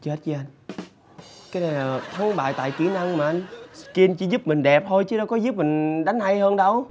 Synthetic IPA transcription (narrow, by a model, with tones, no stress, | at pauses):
t͡ɕə˧˦˥t̚t͡ɕi˧˦ʔa˧jŋ̟ | kaː˨˦jna˨˩jlaː˨˩˨t̪ʰa˨˦ŋɓa̰ː˧˨jt̪a̰ː˧˨jki˧˩na˧ŋmaː˨˩ʔa˧ŋski˧nt͡ɕi˧˦zu˦˥p̚mï˨˩ŋ̟ɗɛ˨˩p̚t̪ʰo˧jt͡ɕɨ˨˦ɗo˨˦kɔ˨˦zɨ˦˥p̚mï˨˩ŋ̟ɗa˨˦jŋha˧jhəː˧nɗə˧w